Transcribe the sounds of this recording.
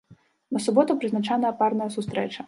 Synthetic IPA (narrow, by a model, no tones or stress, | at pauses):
nɐsʊbɔt̪ʊpɾɨznɐt͡ʃanɐjɐparnɐjɐsʊst̪ɾɛt͡ʃɐ